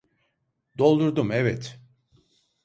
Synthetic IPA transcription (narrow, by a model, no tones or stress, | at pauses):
d̪o̞lˠd̪uɾd̪umɛvɛt̪